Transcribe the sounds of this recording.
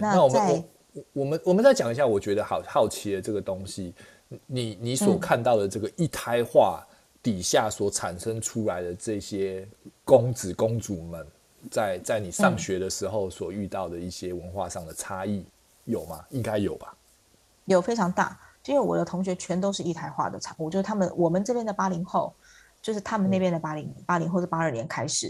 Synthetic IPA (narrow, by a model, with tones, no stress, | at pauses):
na˥na˥˨wɔ˨˩ə˧˥nɔ˨˩˨ | wɔ˨˩mə˨˦nwɔ˨˩mə˨˦nt͡sa˥˩ɪt͡ɕjɑ˨˩ŋi˧˦ɕja˥˩wɔ˨˩t͡ɕɥɛ˧˦˥d̪ə˧xɑ˨˩ʊxɑ˥˩ʊt͡ɕʰi˨˥d̪ə˨ʈ͡ʂɤ˥˩ɡə˩t̪o˦ŋɕi˦ | ni˨˩˦ni˧˥swɔ˨˩kʰa˥˧nt̪ɑ˥˩ʊd̪ə˩ʈ͡ʂɤ˥˩ɡə˩ʔi˥˩t̪ʰa˥ɪxwa˥˩ | t̪i˨˩ɕja˥˩swɔ˨˩ʈ͡ʂʰa˨˩nʂə˦ŋʈ͡ʂʰu˦˥la˨˦ɪd̪ə˨ʈ͡ʂɤ˥˩˨ɕjɛ˦ko˦ŋt͡sɹ̩˨˩kʊ˦ŋt͡su˨˩mə˨n | t͡sa˥˧ɪt͡sa˥˩ɪni˨˩ʂɑ˥˨ŋɕɥɛ˧˥d̪ə˨ʂɻ̩˧˥xo˥˨˩ʊswɔ˨˩y˥˧t̪ɑ˥˩ʊd̪ə˩i˥˩ɕjɛ˦wə˧˦nxwa̰˥˧ʂɑ˥˩ŋd̪ə˩ʈ͡ʂʰa˦˥i˥˩ | jo˨˩ʊma˦i˦ŋka˦ɪjo˨˩ʊba˦ | jo˨˩ʊfe˥ɪʈ͡ʂʰɑ˧˥ŋt̪a̰˥˩i˥nwe˥˩wɔ̰˨˩d̪ə˦t̪ʰʊ˧˥ŋɕ̬ɥɛ˧˥t͡ɕʰɥɛ˧˥nt̪o˥ʊʂɻ̩˥˧i˥˩t̪ʰa˥ɪxwa̰˥˩d̪ə˩ʈ͡ʂʰɑ˧˥ŋu˥˩t͡ɕjʂ̩˥t̪ʰa˥mə˨wʔɔ˨˩mə˦nʈ͡ʂɤ˥˧pjɛ˥˩nd̪ə˩pa˥li˧˥ŋxo˥˧ʊ | t͡ɕjo˥˧ʊʂɻ̩˥˩t̪ʰa˥mə˨ne˥˧pjnd̪ə˩pa˥li˧˥ŋpa˥li˧˥ŋxo˥˧ʊʂɻ̩˥˩pa˥ə˞˥˩njɛ˧˥nkʰa˥ɪʂɻ̩˨˩˦